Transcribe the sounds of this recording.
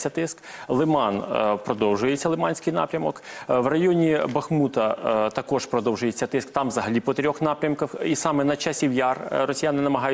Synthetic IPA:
sʲːɐt̪ɪsklˠɪmɑnpɾɔd̪ɔwʒʊjet͡sʲːɐlˠɪmɑnʲsʲkɪjnɑ̰pɾʲɐmɔkʋrɐjɔnʲibɐxmut̪ɐt̪ɐkɔʂpɾɔd̪ɔwʒʊjet͡sʲːɐt̪ɪskt̪ɑmʋzɐɦɐlʲipɔt̪ɾʲɔxn̪ɑpɾʲɐmkɐxisɑmɛnɐt͡ʃasʲiwjɑrrɔsʲijanɪnɐmɐɦɑjʊ

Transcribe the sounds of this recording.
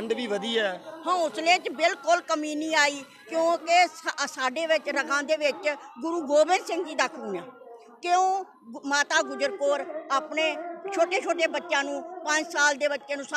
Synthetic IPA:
ɳɖʋiːʋəd̪iːɛːhãːʊsleːt͡ʃbɪlkʊlkəmiːnĩːaːiː | kjõːkɪsaːɖeːʋɪt͡ʃɾəkʰãːd̪eːʋɪt͡ʃɡʊɾuːɡoːbɪ̃nɖsɪ̃ŋɡd͡ʒiːd̪əkʰunãː | kɪõː | maːt̪aːɡʊd͡ʒəɾkoːɾaːpneːt͡ʃʰoːʈẽːt͡ʃʰoːʈeːbətːʃjãːnũːpə̃ɲd͡ʒsaːld̪eːbətːʃeːnũːs

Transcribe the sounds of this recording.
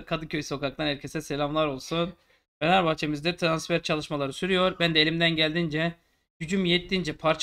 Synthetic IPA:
kʰad̪ɯcʰøjso̞kak̚t̪anɛɾcʰe̞sɛselʲamlˠaɾo̞lˠsun | benaɾbaxt͡ʃʰe̞mizd̪ɛt̪ʰɾansfæɾt͡ʃʰalˠɯʃmalˠaɾɯsyɾyjo̞ɾbænd̪ɛelʲimd̪ænɟælʲd̪ind͡ʒɛ | ɟ̥yd͡ʒymjet̪ːind͡ʒɛpʰaɾt͡ʃʰ

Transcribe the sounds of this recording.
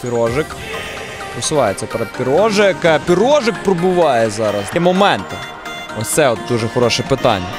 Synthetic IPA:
pʲiɾɔʒɪk | pɾɔsʊʋɑjet͡sʲɐpɛɾɛd̪̚pʲiɾɔʒɪjɐkɛpʲiɾɔʒɪk̚pɾɔbʊʋɑjɛzɑɾɐsimɔmɛnt̪ɪ | ɔt̪sɛɔt̪̚d̪uʒɛxɔɾɔʃɛpɪt̪ɑ̰nʲːɐ̰

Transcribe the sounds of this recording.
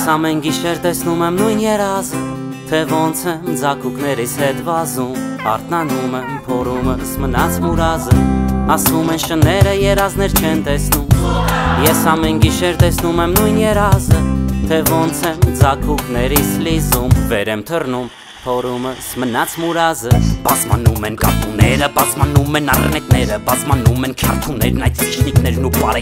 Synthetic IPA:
jɛsɑmɛnɡiʃɛɾt̪ɛsnumɛmnujnjɛɾɑzə | t̪ʰɛvɔnt͡sʰɛmd͡zɑkʰuknɛɾishɛt̪vɑzumɑ̰ɾt̪nɑnumɛmpʰɔɾuməsmənɑt͡sʰmuɾɑzəɑsvumɛnʃənɛɾəjɛɾɑznɛɾt͡ʃʰɛnt̪ɛsnumjɛsɑmɛnɡiʃɛɾt̪ɛsnumɛmnujnjɛɾɑzət̪ʰɛvɔnt͡sʰɛmd͡zɑkʰuknɛɾit͡sʰlizumvɛɾɛmt̪ʰərnum | pʰɔɾuməsmənɑt͡sʰmuɾɑzəbɑzmɑ̰numɛnkɑ̰p̪unɛɾəbɑzmɑnumɛnɑr̰nɛt̪̚nɛɾəbɑzmɑnumɛnt͡ʃʰɑrt̪ʰunɛɾnɑjt̪ʰit͡ʃʰnik̪nɛɾnupɑɾɛ

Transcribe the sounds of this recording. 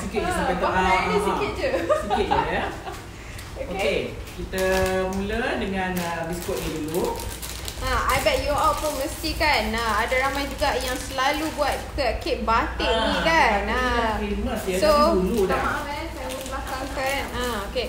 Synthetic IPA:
sikit̚amppajt̪ɔʔaadasikit̪̚d͡ʒəsikit̚aja | okokekit̪amulədəŋãnəbiskɔʔ̚ɲidulu | ʔaajbɛt̪̚juawt̪̚pʊnmə̃st̪ikanaadaɾamajd͡ʒuɡaʔjaŋsəlalubuat̪̚kəket̪̚bat̪ɪʔ̚nĩkanaafeməsjasoduludaamɛnsajamə̃blakaŋkanaoke

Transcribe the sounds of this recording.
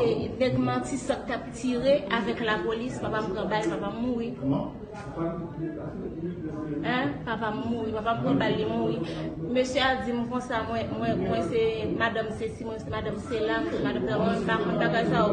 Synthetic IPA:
enɛɡmãtisãk̚tap̚t͡siʁeʔavɛklapolispapam̩pʁãbajpapamːuɣi | ɛ̃papamːuɣipapampɣãbalːimuɣimøsjøad͡zimkɔ̃samwɛ̃mwɛ̃mwɛ̃semadãmsesimw̃ɛ̃semadamselakmadamsamwɛmɛmbakɔ̃nbaɡajsajo

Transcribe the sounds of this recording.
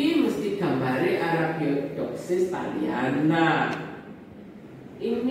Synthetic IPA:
iməst̪iɡ̥a̤mbaɾeʔaɾab̥iɔd̪̥ɔksɪst̪aliana | ʔin

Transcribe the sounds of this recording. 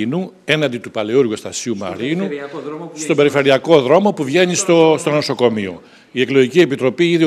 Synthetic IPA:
nu | e̞nɐnd̪it̪upɐleuɾɣust̪ɐsiumɐ̰ɾinust̪o̞be̞ɾifeɾiɐko̞ðɾo̞mo̞puvʝe̞nist̪ost̪o̞noso̞ko̞mio̞̰ | ie̞klo̞ʝicie̞pit̪ɾo̞piiði

